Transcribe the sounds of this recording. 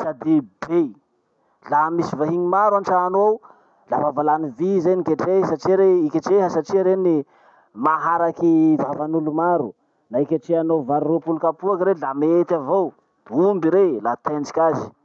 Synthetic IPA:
sad̪ib̥e | lamisivaɦiɲimaɾwanʈ͡ʂaːnow | lavavalanivizeɲikeʈ͡ʂesaʈ͡ʂiɾeikʲaʈ͡ʂeɦəsaʈ͡ʂiɾeni | maɦaɾakivavanulumaɾu | naikʲaʈ͡ʂeanovaɾiropulkapuakaɾelamet̪avo | d̪̥umbiɾelat̪end͡ʒikʲazi̥

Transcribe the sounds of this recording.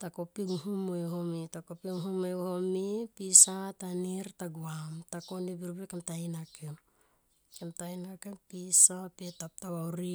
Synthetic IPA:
tako̞piɡuhumoeɦomitakopiŋuɦumoehomipisataniɾtaɡuamtako̞ndibiɾbekemtajnakem | kemtajnakempisapetap̚tawawɾi

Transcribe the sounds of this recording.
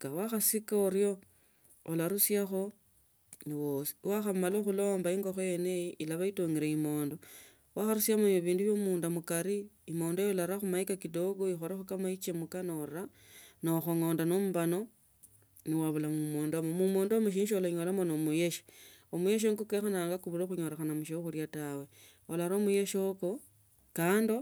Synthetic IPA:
ɡawaxasikaoɾjo̞ː | laɾusjaxo̞ | niwosi̥waxamaloxulo̞ːmbaiŋɡoxojenejiʔilaβaitoŋiɾeimo̞ːndo̞ | waxaɾusjamoiβiːnduβjomuːndamukaɾiːmo̞ːndojolaɾaxumaikakido̞ɡoixoɾaxokamait͡ʃemukanoɾa | noxoŋoːndanomubano̞ | niwaβulamumoːndomomumoːndomuʃ̬iːnʃiolaɲo̞lamonomujeʃi̥omujeʃ̬oŋɡukexanaːŋɡakuβuɾoxuɲo̞ɾexanamuʃeuxurjatawe̞ | olaɾoːmuje̞ʃoko | kaːndo

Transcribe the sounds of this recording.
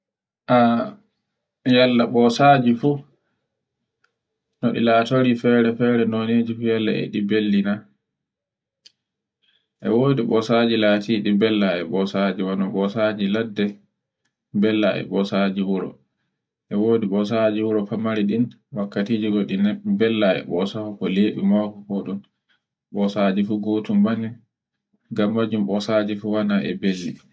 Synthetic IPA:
ʔa | jalːaɓɔsaːd͡ʒifu | nɔɗḭlaːtoɾifɛɾɛfɛɾɛnoned͡ʒifujalːa̰ɛ̰ɗibelːina | ʔɛ̰woːdiɓɔsad͡ʒilatʰiɗibɛlːaɛ̰ɓɔsad͡ʒiwanɔɓɔsad͡ʒiladːɛ | bɛlːaʔɛ̰ɓɔsad͡ʒiwuɾɔ̰ | ʔɛwoːdiɓɔs̬ad͡ʒiwuɾɔfamaɾiɗin | wakːatiːd͡ʒiɡɔɗinɛbɛlːaɛ̰ɓɔsahɔkɔleːɓimɔkɔkɔɗun | ɓɔsad͡ʒifuɡotumbani | ɡamːad͡ʒumɓɔsad͡ʒifuwanaʔɛ̰belːi

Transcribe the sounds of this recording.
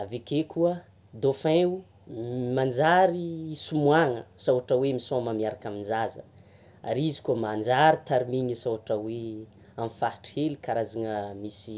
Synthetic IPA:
avekekuə | d̪ofẽu | mand͡zaɾisumwaŋəsawaʈ͡ʂəwemisoməmiaɾakamind͡ʒazə̰ | a̰ɾizi̥kuəmand͡ʒaɾit̪aɾimiɲisawaʈ͡ʂəwe | amfahḁʈ͡ʂihelikaɾazaŋəmisi

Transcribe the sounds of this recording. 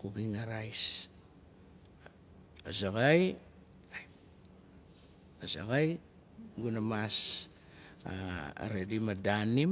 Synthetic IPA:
kuɡiŋaɾajs | azaɡaj | aza̰ɡaj | ɡunamas | a̰a̰ɾedimadani

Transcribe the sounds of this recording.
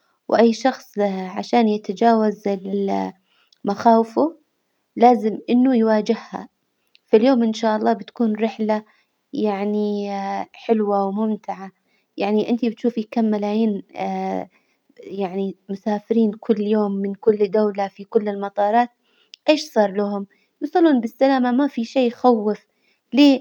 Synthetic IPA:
wʔajːʃɑxsˤʕa̰ʃaːnjɪt̪ad͡ʒaːwazɪl | maxaːwɪfʊ | laːzɪmʔɪnːʊjwaːd͡ʒɪhha̰ | fɪljoːmʔɪnʃaːʔɑlˤːɑːbɪt̪ḁkuːnɾɪħla | jaʕni | ħɪlwawmʊmt̪ɪʕa | jaʕniʔɪnt̪ibɪt̪ʃuːfikamːalaːjiːnː | jaʕnimʊsaːfɪɾiːnkʰʊlːjoːmːɪnkʊlːd̪awlafikʊlːɪlmɑt̪ˤɑːɾˤɑːt̪̚ | ʔeːʃsˤɑːɾˤlaɦʊm | jusˤɑlːuːnbɪsːalaːmamafiʃeːxawːɪf | leː

